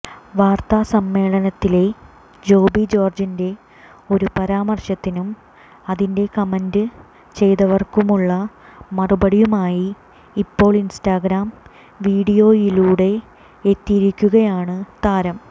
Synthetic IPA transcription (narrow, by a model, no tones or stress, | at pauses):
ʋaːrt̪aːsɐmːe̞ːɭɐnɐt̪ːile̞ | d͡ʑo̞ːbid͡ʑo̞ːrd͡ʑinde̞ | o̞ɾupɐɾaːmɐrɕɐt̪ːinum | ɐðinde̞kɐmendɨ | t͡ɕe̞jðɐʋɐrkumuɭːɐ | mɐrubɐɽijumaːjiː | pːo̞ːɭinsʈaːɡɾaːm | ʋiːɽijo̞ːjiluːɽe̞ː | t̪ːijiɾikʲːuɣɐjaːɳɨt̪aːɾɐm